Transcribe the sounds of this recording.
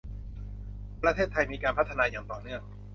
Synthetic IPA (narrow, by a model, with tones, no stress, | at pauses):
pɾa˧t̪ʰeː˥˩t̪ʰːa˧jmiː˧kaː˧npʰa˦˥t̪ʰːa˧naː˧jaː˨˩ŋt̪ɔː˨˩nɯ˥˩əŋ